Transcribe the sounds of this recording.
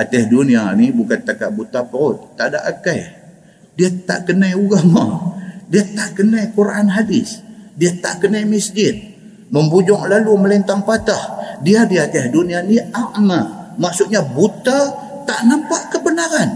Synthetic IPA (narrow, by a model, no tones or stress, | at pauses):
at̪ɛhdunianibukant̪akaʔbut̪apəɾʊt̪̚t̪ːaʔda̰ʔakaj | diat̪a̰ʔkənajuɡamadiat̪aʔkənajkuɾanɦadɪsdiat̪a̰ʔkənajmisd͡ʒɪt̪̚ | məmbud͡ʒɔŋlaluməlint̪aŋpat̪ahdiadiat̪ɛhdunianiaʔmamaʔsut̪̚ɲabut̪a | t̪aʔnampaʔkəbənaɾan